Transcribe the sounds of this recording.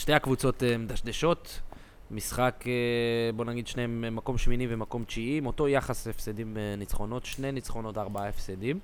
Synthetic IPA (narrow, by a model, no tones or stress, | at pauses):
ʃteakvut͡so̞t̪emed̪aʃd̪eʃo̞t̪ | misχakebo̞naɡid̪ʃneemːako̞mʃminivemako̞mt͡ʃiimo̞t̪o̞jaχasefsedimnit͡sχo̞no̞t̪ʃnenit͡sχo̞no̞t̪aʁbaaefsedim